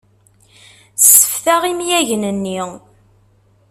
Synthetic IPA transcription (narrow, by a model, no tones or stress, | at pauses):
sə̥fθaʁimjæʝnənːi